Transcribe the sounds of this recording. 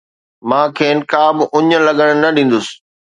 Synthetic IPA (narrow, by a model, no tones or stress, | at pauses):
mãːkʰeːnɪ̆kaːbɪʔʊɲə̆lɐɠəɽ̃nɐɗĩːn̆d̪ʊsɪ̥̆